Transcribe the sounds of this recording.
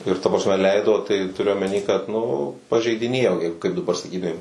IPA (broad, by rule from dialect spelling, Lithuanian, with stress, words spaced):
ɪr tɐ prɐsʲˈmʲɛ ˈlʲɛɪdoː tɐɪ tʊˈrʲʊ oːmʲɛˈnʲiː kɐt nʊ pɐʒʲɛɪdʲɪˈnʲeːjoː ɪr kɐɪp dɐˈbɐr sɐˈkʲiːtʊmʲeːm